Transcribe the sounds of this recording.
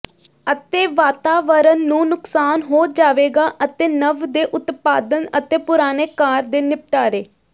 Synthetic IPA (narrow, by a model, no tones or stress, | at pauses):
ət̪eːʋaːt̪aːʋəɾənːũːnʊksaːnɦoːd͡ʒaːʋeːɡaːʔət̪eːnəʋd̪eːʔʊt̪paːd̪ənət̪eːpʊɾaːneːkaːɾd̪eːnɪp̚ʈaːɾeː